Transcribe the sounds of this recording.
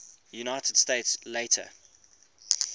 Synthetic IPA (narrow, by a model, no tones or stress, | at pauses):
junaɪtəd̥steɪtsleɪtʰə̰